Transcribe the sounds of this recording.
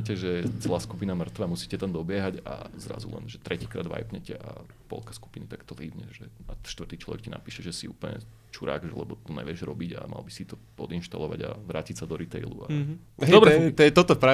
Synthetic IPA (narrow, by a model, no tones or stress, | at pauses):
cɛʒɛt͡sɛlaːskupinamr̩t̪ʋamusiːcɛt̪amd̪ɔbɪɛɦaɟa̰zɾa̰zṵlɛ̰nʒɛt̪ɾɛciːkɾaːd̪ʋa̰jpɲɛcɛʔa | pɔ̰lkḁsku̥pinit̪akt̪ɔliːʋɲɛʒɛaʃt̪ʋrt̪iːt͡ʃlɔ̰ʋɛkcina̰piːʃɛʒɛsiuːpl̩ɲɛ̰ | t͡ʃuɾa̰ːɡʒɛlɛbɔt̪ɔɲɛ̰ʋɪɛʒɾɔbiɟa̰ma̰lbisit̪ɔpɔd̪inʃt̪alɔʋa̰ɟa̰ʋɾaːcicsad̪ɔɾit̪ɛɪlṵa | d̪ɔbɾɛt̪ɛt̪ɔt̪ɔpɾa